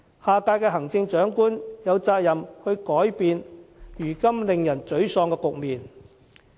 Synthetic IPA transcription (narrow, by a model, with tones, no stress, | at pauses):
haː˨kaː˧jkɛː˧ɦɐ˨˩ŋt͡sɪ˧ŋt͡ʃœː˨˥ŋkuː˥njɐ˨˧wt͡saː˧k̚jɐ˨˩mhɵ˧ɥkɔː˨˥jpiː˧njyː˨˩kɐ˥mlɪ˨˧ŋjɐ˨˩nt͡ʃɵ˨˥ɥsɔː˧ŋkɛː˧kʊ˨k̚miː˨n